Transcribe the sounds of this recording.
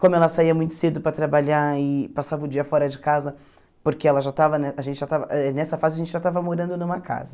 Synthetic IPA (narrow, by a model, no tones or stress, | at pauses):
kõmʊɛlɐsaiɐmũj̃t̪ʊ̥sed̪ʊpɾɐt̪ɾabaʎaɪpasavɐʊd͡ʒiɐfɔɾɐd͡ʒɪkazɐ | poɾkeɛlɐʒat̪avɐnɛaʒẽntt͡ʃɪʒat̪avɐɛnɛsɐfazɪɐʒẽnt͡ʃɪʒat̪avɐmoɾɐ̃nd̪ʊnũmɐka̰zɐ